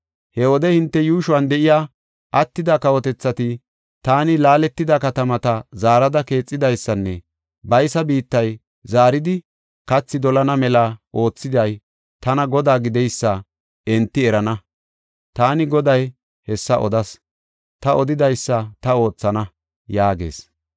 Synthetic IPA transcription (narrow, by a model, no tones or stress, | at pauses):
hɛwɔd̪ɛhɪnt̪ːɛjuːʃʊwɐnd̪ɛʔɪjaː | ʔɐt̪ːɪd̪ɐkɐwɔt̪ɛt͡sːɐt̪ɪ | t̪aːnɪlaːlɛt̪ːɪd̪ɐkɐt̪ɐmɐt̪ɐzaːɾɐd̪ɐke̞ːt͡sʼːɪd̪ɐjsːɐnːɛ | bɐjsɐbiːt̪ːɐj | zaːɾɪd̪ɪ | kɐt͡sːɪd̪ɔlɐnɐmɛlaʔo̞ːt͡sːɪd̪ɐj | t̪ɐnɐɡɔd̪aːɡɪd̪ɛjsːɐ | ɛnt̪ːɪɛɾɐnɐ | t̪aːnɪɡɔd̪ɐj | hɛsːɐʔɔ̰d̪ɐs | t̪ɐʔɔd̪ɪd̪ɐjsːɐt̪ɐo̞ːt͡sːɐnɐ | jaːɡe̞̰ːs